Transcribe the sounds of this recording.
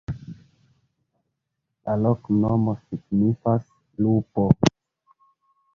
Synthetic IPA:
laloknomosiɡnifas | lupo

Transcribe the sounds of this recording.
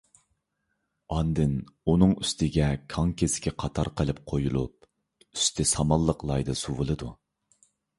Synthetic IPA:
ɑnd̪ɪnunɨŋyst̪ɪɡʲɛkʰɑŋkʰʲesɪ̥kʲiqʰɑt̪ʰɑɾqʰəlˠɨp̚qʰojulˠṵp̚ | y̥st̪ʰɪsɑmɑlˠːəqlˠɑjd̪ɨsuwɨlˠɨd̪u

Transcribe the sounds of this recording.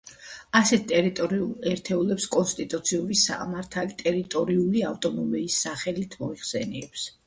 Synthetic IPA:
asɛt̪̚ʰt̪ʼɛɾit̪ʼɔɾiulˠɛɾt̪ʰɛulɛpskʼɔnst̪ʼit̪ʼut̪sʰiubisa̰maɾt̪ʰalit̪ʼɛɾit̪ʼɔɾiuliaft̪ʼɔmɔmɛisːaχɛlit̪ʰmɔiχsɛnɛɛps

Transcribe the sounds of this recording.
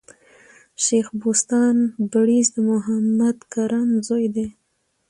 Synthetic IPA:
ʃexbost̪ɑnbaɽizd̪əmʊɦamad̪kaɾanzojd̪e

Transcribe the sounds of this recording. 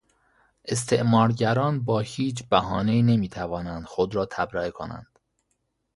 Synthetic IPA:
ʔe̞s̬t̪ʰeʔmɒːɾɟæɾɒːnbɒːhiːt͡ʃbæɦɒːne̞iːne̞miːt̪ʰævɒːnænd̪̥xod̪ɾɒːt̪ʰæbɾæekʰonæ̰nd̪̥

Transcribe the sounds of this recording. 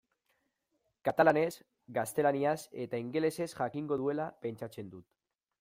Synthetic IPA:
kat̪alane̞s | ɡast̪e̞laniase̞t̪aiŋɡe̞le̞se̞sʝakiŋɡo̞ðue̞lape̞nt͡ʃat͡se̞nd̪ut̪

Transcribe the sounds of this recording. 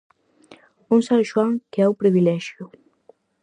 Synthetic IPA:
unsaŋʒwaŋkeawpɾiβilɛʒju

